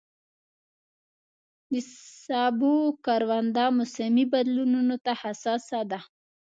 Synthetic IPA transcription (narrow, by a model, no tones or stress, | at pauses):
nisabukaɾwand̪amʊsamibad̪lununot̪ahasasad̪a